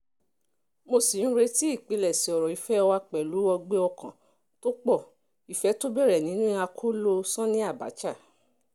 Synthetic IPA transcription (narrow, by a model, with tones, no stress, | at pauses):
mo˧si˨ñ̩˦ɾe˧ti˦i˦˨k͡pe˨˧lɛ˨si˨ɔ˨ɾɔ˨i˨fɛ˦ɔ˧wa˧k͡pɛ˨lu˨˦ɔ˧ɡ͡be˦ɔ˧kã˨ | to˦k͡pɔ˦˨ | i˨fɛ˨˦to˦bɛ˦˨ɾɛ˨nĩ˦nũ˦i˦˧a˧kʰo˦lo˧sã˦nĩ˦a˦˨ba̰˨˦t͡ʃa˦˨